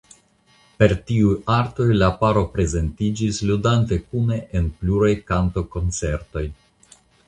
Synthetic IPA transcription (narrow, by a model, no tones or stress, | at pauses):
pe̞ɾtiujaɾto̞jlapaɾo̞pɾe̞ze̞ntid͡ʒisludante̞kune̞ʔenpluɾajkanto̞ko̞nt͡se̞ɾto̞j